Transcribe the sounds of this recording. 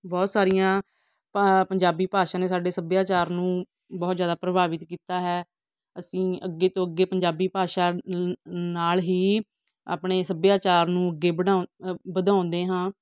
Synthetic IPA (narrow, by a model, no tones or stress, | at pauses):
bɔːt̪saːɾijãː | pəɲd͡ʒaːbiːpaːʃãːneːsaːɖeːsəbjaːt͡ʃaːɾnũː | bɔːt̪zjaːd̪aːpɾəbaːʋɪt̪kiːt̪aːɦɛː | əsĩːəɡːeːt̪õːəɡːeːpəɲd͡ʒaːbiːpaːʃaː | naːlɦiː | a̰ːpɳeːsəbjaːt͡ʃaːɾnũːəɡːeːbəɽabəd̪ãːʊnd̪eːɦãː